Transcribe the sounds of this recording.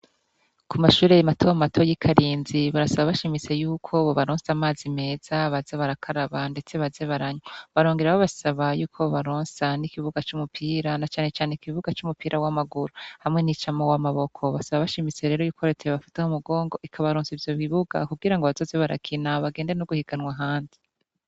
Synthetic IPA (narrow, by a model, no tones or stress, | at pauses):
kʰumaʃuːɾejamatʰoamatʰo̞jikʰaɾiːnziβaɾasaβaβaʃimise̞juːkʰo̞βoβaɾoːnsamaːzime̞ːz̥aβazeβaɾakʰaɾaβande̞t͡se̞βaze̞βaɾaɲwoβaɾoːŋɡeɾaβoβasaβajuːkʰo̞βaɾoːnsanikiβuɡat͡ʃumupʰiːɾanat͡ʃaːne̞t͡ʃaːnekiβuɡat͡ʃumupʰiːɾʔawamaɡuɾuhamŋe̞nit͡ʃamowamaβo̞kʰo̞βasaβaβaʃimise̞ɾe̞ːɾo̞juːko̞ɾetʰeeβafi̥tahomuɡoːŋɡo̞ʔikʰaβaɾoːnsivjo̞βiβuɡa̰kuɡiɾaŋɡo̞βazo̞ːze̞βaɾa̰kʰinaβaɡe̞ːndeenoɡuhiɡanwaɦaːndi